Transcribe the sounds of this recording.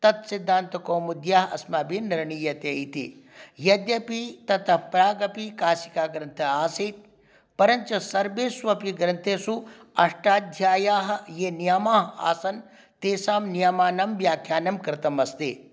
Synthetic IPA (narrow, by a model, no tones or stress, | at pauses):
t̪ɐt̪sid̪ʱːaːnt̪ɐkoːmud̪jaːɦɐ̰smaːbiniɾɳijɐt̪eit̪ḭjɐd̪jɐpit̪ɐt̪ɐpɾaːɡɐpikaːsikaːɡɾɐnt̪ʰɐaːsiːt̪̚ | pɐɾɐɲt͡ʃɐsɐɾbeːsʋɐpiɡɾɐnt̪ʰesu | ɐʂʈaːd̪ʱjaːjaːɦɐ̆jenijɐmaːɦa̰ːsɐn | t̪eːsaːmnijɐmaːnɐmʋjaːkʰjaːnɐmkɾɪt̪ɐmɐst̪eː